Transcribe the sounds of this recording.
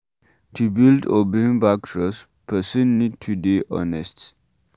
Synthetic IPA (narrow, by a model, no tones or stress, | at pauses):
tʰubildɔbĩnbak̚tʰɹɔs | pʰəsə̃nːid̚tʰudiʔɔ̰nɛst